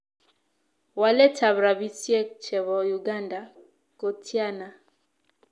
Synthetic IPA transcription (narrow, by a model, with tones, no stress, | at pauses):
wa˨lɛ˦ta˨βɾa˨bi˦sje˦t͡ʃɛ˨βɔ˨ju˨ɡa˦nda˨ | ko˨tʰja˦na˨